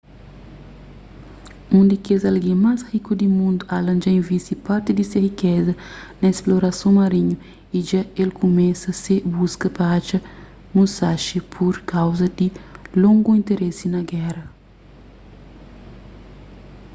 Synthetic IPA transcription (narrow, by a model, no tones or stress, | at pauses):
ũnd̪ikezɐlɡĩmashikud̪imũnd̪ualɐ̃nd͡ʒɐĩvisipaɾt̪id̪isehikɛzɐnɐesploɾɐsõmɐɾiɲu | iʒaelkʰumɛsɐsebuskɐpɐat͡ʃɐ | mũsaʃipʰuɾkawzɐd̪ilõŋɡuĩnt̪eɾesinɐɡɛɾɐ